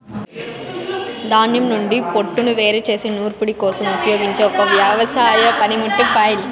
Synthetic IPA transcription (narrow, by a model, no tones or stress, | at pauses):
d̪aːnjɐmnuɳɖipoʈːunuʋe̞ːɾet͡ʃe̞ːseːnuːɾpuɽikɔːsɐmupɐjo̞ːɡiɲt͡ʃe̞ːɔkɐʋjɐʋɐsaːjɐpɐnimuʈːipɐjl